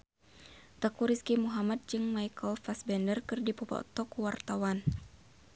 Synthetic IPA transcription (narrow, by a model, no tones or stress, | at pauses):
t̪akuɾiskimuɦamat̪̚d͡ʒɨŋmajkɔlfasbɛndərkɨrdipɔpɔ̰t̪ɔkuwart̪awan